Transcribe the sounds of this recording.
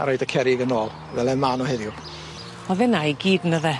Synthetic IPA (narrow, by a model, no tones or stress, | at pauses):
a̰ɾojdəkʰɛɾɪɡənoːlˠ | vɛlˠɛmanɔhɛðjʊ | ɔðɛnajɡiːdnəðɛ